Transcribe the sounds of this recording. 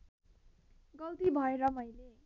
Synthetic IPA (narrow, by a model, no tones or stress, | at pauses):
ɡʌlt̪ibʱʌeɾʌmʌjle